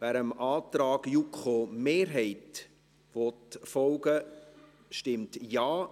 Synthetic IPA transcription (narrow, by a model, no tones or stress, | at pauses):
væɾəmʔɑːt̪ɾɑːɡ̥jukʰχomeːɾɦɛɪt | ʋɔtfɔlɡə | ʃtɪmtjɑː